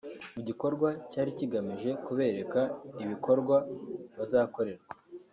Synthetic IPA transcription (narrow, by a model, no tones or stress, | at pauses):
muɟiko̞ɾɡwacaːɾiciɡamiʒe̞kuβe̞ːɾe̞kaiβiko̞ɾɡwaβazaːko̞ɾe̞ɾɡwḁ